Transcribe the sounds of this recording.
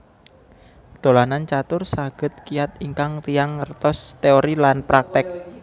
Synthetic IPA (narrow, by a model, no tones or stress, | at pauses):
d̪̥o̤lanant͡ʃat̪ʊrsaɡ̥ə̤t̪̚kijat̪iŋkaŋt̪ijaŋːərt̪ɔst̪eoɾilanpɾak̚t̪ɪk̚